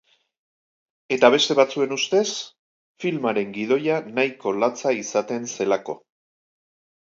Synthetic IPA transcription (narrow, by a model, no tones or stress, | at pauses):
e̞t̪aβ̞e̞st̪e̞βat͡sue̞nust̪e̞s | filmaɾe̞ŋɡið̞o̞janajko̞lat͡saisat̪e̞nse̞lako̞̰